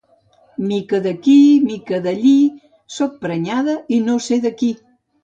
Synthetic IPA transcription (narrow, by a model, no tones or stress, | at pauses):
mikəðəkimikəðəʎi | sok̚pɾəɲaðəinoseðəki